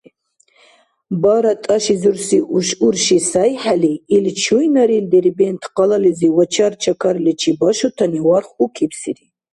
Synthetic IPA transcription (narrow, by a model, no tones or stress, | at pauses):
baɾat̪ʼaʃizuɾsiʔuʃuɾʃisajħaliːlt͡ʃʰujnaɾild̪ɛɾibɛnt̪ʰqʼalaliziwat͡ʃʰart͡ʃʰakʰaɾlɛt͡ʃʰibaʃut̪ʰaniwarχukʰipʰsiɾi